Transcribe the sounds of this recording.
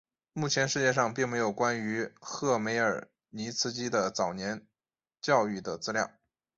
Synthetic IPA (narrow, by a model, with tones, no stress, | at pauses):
mu˥˩t͡ɕʰjɛ˧˥nʂɻ̩˥˧t͡ɕjɛ˥˧ʂɑ˥˧ŋpi˥˩ŋme˧˥ɪjo˨˩ʊkwa˥ny˧˥xɤ˥˩me˧˥ɪə˞˨˩ | ni˧˥t͡sʰɹ̩˥t͡ɕi˥d̪ə˨t͡sɑ˨˩ʊnjɛ˧˥n | t͡ɕjɑ˥˧ʊy˥˩d̪ə˩t͡sɹ̩˥ljɑ̰˥˩ŋ